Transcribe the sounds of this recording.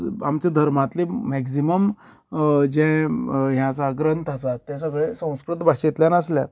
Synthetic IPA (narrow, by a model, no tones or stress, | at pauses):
amt͡ɕad̪ʱəɾmãt̪lemɛksiməm | d͡ʑɛ̃ɦjãt͡saɡɾənt̪ʰasat̪ːjasəɡɭesə̃w̃skɾut̪ːbʱaɕet̪ljanəsljat̪